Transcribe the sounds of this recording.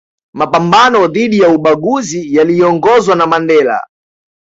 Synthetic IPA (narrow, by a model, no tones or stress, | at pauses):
mapambanɔðiɗijauɓaɡuzijaliɔŋɡɔzwanamandɛla̰